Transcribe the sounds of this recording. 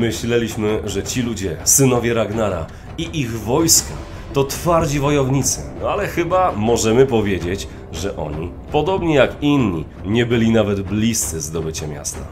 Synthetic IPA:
mɘɕlɛlʲiɕmɘʐɛt͡ɕilud͡ʑɛsɘnɔvʲjɛɾaɡnaɾa̰ | iʔiɣvɔjska | t̪ɔt̪faɾd͡ʑivɔjɔvɲit̪sɘ̰nɔalɛxɘbamɔʐɛmɘpɔvʲjed͡ʑet͡ɕ | ʐɛʔɔ̰ɲi | pɔd̪ɔbɲɛjakinɲi | ɲɛbɘlʲinavɛd̪blʲist̪sɘzd̪ɔbɘt͡ɕamʲja̰st̪a̰

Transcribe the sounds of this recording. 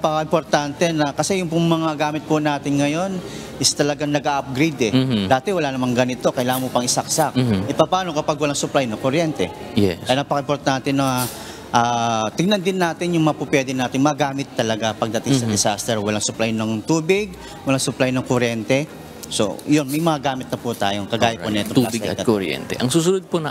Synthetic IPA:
pɐkaʔɪmpoɾt̪ant̪ɛnɐkɐsɛjʊŋpʊŋmɐŋaɡaːmɪt̪̚pʊnaːt̪ɪŋŋɐjo̞n | ʔɪst̪ɐlɐɡaŋnɐɡʔaʔɐp̚ɡɾed̪ɛd̪aːt̪ɛwɐlaːnɐmaŋɡɐnɪt̪o̞kɐjlaːŋɐnmopɐŋʔɪsɐk̚sak̚ʔɪpɐpaːno̞kɐpaɡ̚wɐlaŋsʊplajnɐŋkoɾjɛnt̪ɛ̰ | jɛ̰ɐjanɐpɐkɐʔɪmpoɾt̪ant̪ɪnːɐ | ʔaːt̪ɪɡ̚nɐnd̪ɪnːaːt̪ɪnjʊŋmɐapupwɛd̪ɛnaːt̪ɪŋmɐɡaːmɪt̪ːɐlɐɡapɐɡ̚d̪ɐt̪ɪŋsɐd̪ɛsast̪ɛɹwɐlaŋsʊplajnɐŋt̪uːbɪɡ̚ | wɐlaŋsʊplajnɐŋkʊɾjɛnt̪ɛ | so̞̰jo̞nmɐjmɐŋaɡaːmɪt̪̚nɐput̪aːjoŋkɐɡaːjɐponɛt̪oɪɐkoɾjɛ̰nt̪ɛ̰ʔɐŋsuːsʊnod̪̚ponɐ

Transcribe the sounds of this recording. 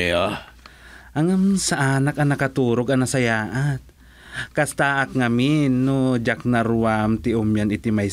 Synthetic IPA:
ʔaŋamnsaʔaːnakanakat̪uːɾoɡɐnasajaːʔat̪̚ | kast̪aʔakŋaminːod͡ʒak̚naɾuwamt̪ɪʔʊmjanɪt̪imaj

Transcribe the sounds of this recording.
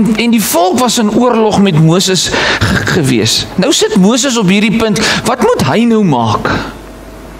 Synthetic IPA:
ɛndifɔlˠkvɐsənuərlɔχmɛtmuəsəsχəvḭəsnəwsətmuəs̬əs̬ɔpɦiːrdipəntvɐtmutɦəjnœwmɑːk

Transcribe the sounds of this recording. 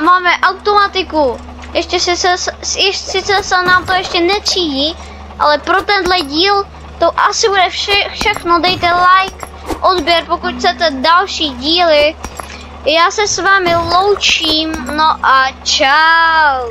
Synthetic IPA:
maːmɛʔawt̪omat̪ɪku | jɛʃcɛsɛsɛɛsɪt͡sɛsɛnaːmt̪ojɛʃcɛnɛt̪t͡siːɟiː | ʔa̰lɛpɾot̪ɛndlɛɟiːl | t̪oʔasɪbudɛfʃɛfʃɛxnodɛjt̪ɛlajk | ʔodbjɛɾpokucxt͡sɛt̪ɛdalʃiːɟiːlɪ | jaːsɛsvaːmɪlowt͡ʃiːmnoʔat͡ʃaw

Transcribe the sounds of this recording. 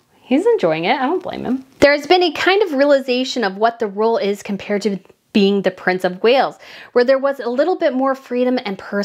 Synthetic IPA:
hizɨ̃nd͡ʒɔɪɪ̃ŋɪtaɪɾõʊ̃nb̥lḛ̃ɪ̃mɨ̰̃mðə˞ɨzbɨ̃nɨkʰãɪ̃ndʌvɹiəlˠɨzeɪʃɨ̃nʌvwʌt̪̚ðɨɹoʊlˠɪz̥kʰɨ̃m̩pʰɛɹd̚tɨ | b̥iɪ̃ŋðɨpʰɹ̥ɪ̃nsʌvweɪlˠz̥wə˞ðə˞wʌzəlɪɾl̩ˠbɪt̚mɔɹfɹiɾɨ̃mɨ̃npʰɜ˞

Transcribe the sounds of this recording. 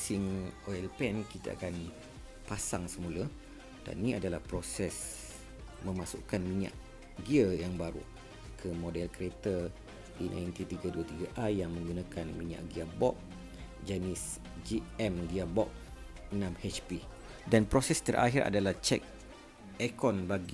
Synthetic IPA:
siŋoɛlpɛnkit̪a̰a̰kan | pasaŋsəmũlə | d̥a̰nːĩadalahpɾosɛs | mə̃masṵʔkanmiɲã̰ʔ | ɡiəjaŋbaɾṵ | kʰəmodɛlkəɾet̪ə | unʔa̰jnt̪it̪iɡaduat̪iɡaʔajaŋmə̃ŋɡunakanmiɲa̰ʔɡiabɔk̚ | d͡ʒanis | d͡ʒiɛmɡiabɔk̚ | nãmhɛt͡ʃpi | danpɾosɛst̪əɾʔa̰ɦiɾa̰dalaht͡ʃɛ̰k̚ | ekɔnbaɡi

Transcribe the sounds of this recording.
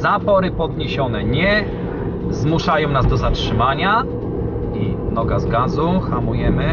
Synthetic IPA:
zapɔɾɘpɔd̪ɲeɕɔnɛɲɛ | zmuʂajɔ̃w̃nazd̪ɔzatʂɘmaɲa | i | nɔɡazɡazuxamujɛmɘ

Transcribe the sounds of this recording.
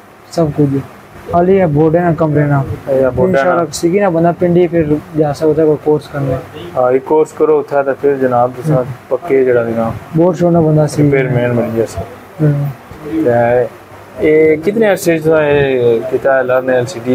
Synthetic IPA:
səbkʊd͡ʒ | əliɛːboːɖɛːnãːkəmɾeːnaːboɪnʃaːlːaːsikiːnaːbənd̪aːpɪ̃ɳɖiːpʰɪɾd͡ʒaːsaʊt̪ʰːaːkəkoːɾskəɾneaːikoːɾskəɾoːʊt̪ʰːaːt̪ẽːpʰɪɾd͡ʒənaːbt̪ʊsãːpəkːeːd͡ʒeːɽaːninãːboːɖʃoːnaːbənd̪aːsipʰɪɾmeːnməniːd͡ʒasi | t̪ɛ̃ː | eːkɪt̪nẽːɛɾseːd͡ʒt̪ʊsãːekɪt̪aːɛləɾnɛlsiːɖiː

